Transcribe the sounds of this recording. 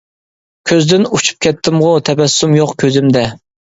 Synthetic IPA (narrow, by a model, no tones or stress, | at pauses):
kʲʰøzd̪ɪnut͡ʃʰu̥p̚kʲʰɛt̪ʰːɪmʁʊt̪ʰɛbɛsːumjoqkʲʰøzɪmd̪ɛ